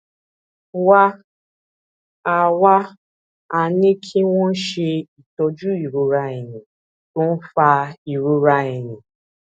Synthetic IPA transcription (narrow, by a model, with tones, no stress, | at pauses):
wa˦ | a˨wa˦ | a˨nĩ˦kʰi˦w̃ɔ̃˦n̩˦ʃe˧i˨tɔ˧d͡ʒu˦i˨ɾu˦ɾa˧i˨nĩ˨ | tõ˦n̩˦fa˧i˨ɾu˦ɾa˧ɛ˨nĩ˨